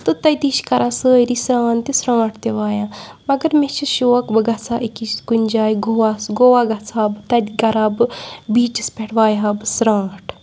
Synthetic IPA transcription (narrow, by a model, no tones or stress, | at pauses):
t̪ɨt̪ɐjt̪iʃkɐɾʔaːsəːɾisɾãːnt̪isɾãːʈʰt̪eʋaːjãː | mɐɡɐɾmet͡ʃʰiʃoːkbɨɡɐt͡sʰaːʔikiskunʲd͡ʒaːjiɡoːʋaːsɡoːʋaːɡɐt͡sʰaːbt̪ɐd̪ʲɡɐɾaːbɨbiːt͡ʃispʲeʈʰʋaːjɦaːbɨsɾãːʈʰ